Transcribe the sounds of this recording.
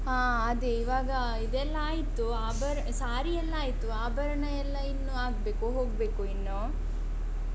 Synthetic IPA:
ɦaː | ɐd̪eiʋaːɡɐ | id̪ɛlːɐaːjit̪uaːbʱɐɾɐsaːɾiɛlːɐaːjit̪uaːbʱɐɾɐɳɐjɛlːɐinːuaːɡbeːkuɦoːɡbeːkuinːo

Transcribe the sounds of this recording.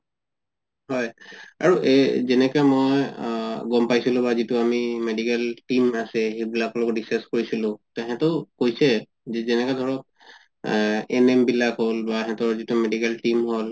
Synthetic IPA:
ɦɔjaɹuʔɛzɛnɛkamojɡɔmpajsilʊ̃bazitʊamimedikɛltimasɛxebilaklɔɡɔdisaskoɹisilʊ̃tɛɦɛtʊkojsɛ | zɛnɛkadʱɔɹɔt̚ | ɛnembilakɦolbaɛɦɛtɔɹzitʊmedikɛltimɦol

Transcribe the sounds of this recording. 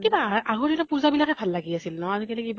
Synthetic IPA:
kibaaɡɔtitapuzabilakɛbʱalːaɡiasilnɔazikɛlɛkib

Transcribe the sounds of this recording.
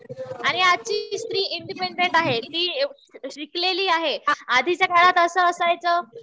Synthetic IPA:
aɽ̃iat͡ɕiːst̪ɾiːʔiɳɖipeɳɖeɳʈaɦet̪iː | ɕikleliːaɦead̪ʱit͡ɕjakaɭat̪əsəːsajt͡səː

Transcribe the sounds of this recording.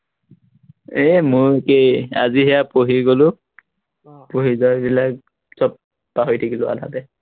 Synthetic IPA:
emojkeja̰ziɦɛjapoɦiɡolʊ | poɦizɔjbilak | sɔpː | aɦojtʰakilʊa̰da̰tɛ

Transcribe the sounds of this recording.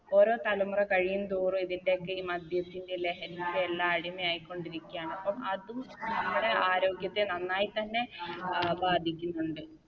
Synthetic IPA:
o̞ːɾo̞ːt̪ɐlɐmurɐkɐɻijunt̪uːrumiðinde̞okːɨiːmɐd̪ʱjɐt̪ːindele̞ɦɐnindeelːaːɐɽimejaːjikʲːo̞ɳɖiɾikʲːujaːɳɐpːɐmɐðumnɐmːuɽe̞ʔaːɾo̞ːɡjɐt̪ːenɐnːaːjit̪ɐnːe̞ | baːd̪ʱikʲːunːuɳɖɨ

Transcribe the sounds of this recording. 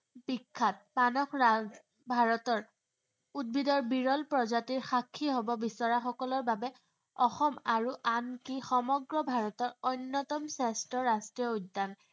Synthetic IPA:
bikʰːat̚manɔkʰ | bʱaɹɔtɔɹ | ud̚bidɔɹbiɹɔlpɹɔzatiɹxakʰːiɦobɔbisɔɹaxɔkɔlɔɹbabɛ | ɔxɔmaɹuʔankixɔmɔɡɹɔbʱaɹɔtɔɹɔjnːɔtɔmsastɹɔɹastɹiɔudːan

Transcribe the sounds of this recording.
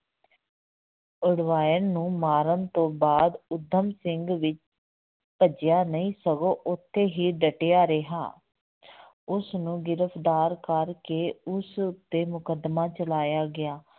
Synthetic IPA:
ʊɽʋaːjəɾnũːmaːɾənt̪õːbaːd̪ʊd̪ʱːəmsɪŋɡʋɪt͡ʃ | pəd͡ʒjaːnəĩːsəɡoːʔʊt̪ʰːeːɦiːɖəʈejaːɾeɦa̰ː | ʊsnũːɡɪɾəpʰd̪aːɾkəɾkeːʊsʊt̪ːeːmʊkəd̪maːt͡ʃəlaːjaːɡɪaː

